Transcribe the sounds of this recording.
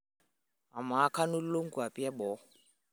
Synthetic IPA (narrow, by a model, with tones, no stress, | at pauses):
a˨ma˨a˦kʰa˦nu˦l̩˦lo˦ŋ̩˦ku˨a˨pʼi˦a˦bɔ˨˦